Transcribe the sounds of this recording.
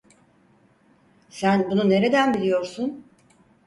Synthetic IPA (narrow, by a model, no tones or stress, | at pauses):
sænbunune̞ɾe̞d̪ænbilʲijo̞ɾsun